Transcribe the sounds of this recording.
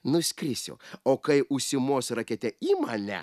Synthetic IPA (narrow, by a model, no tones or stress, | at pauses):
nʊsʲkʲɾʲɪsʲʊ̰oːkɐɪʔʊʃʲsʲɪmoːsɾɐkʲɛt̪ʲɛiːmɐnʲɛ̰